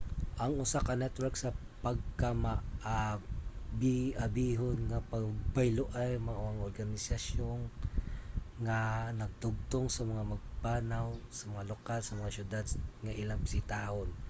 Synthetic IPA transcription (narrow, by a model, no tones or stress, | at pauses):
ʔɐŋʔʊsakɐnɛt̪wɛɾksɐ | pɐɡ̚kamaʔa | biʔɐbiːɦonŋɐpɐɡ̚bɐjlʊʔajmɐŋʊaŋʔoɾɡɐnɪsɐsjon | ŋɐnɐɡ̚t̪ʊɡ̚t̪oŋsɐmɐŋamɐɡ̚paːnawsɐmɐŋalokalsɐmɐŋasʊd̪ad̪̚ŋɐʔɪlaŋbɪsɪt̪aːhon